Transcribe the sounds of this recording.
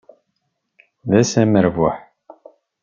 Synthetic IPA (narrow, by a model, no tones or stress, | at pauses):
ðæsæməɾvʊħ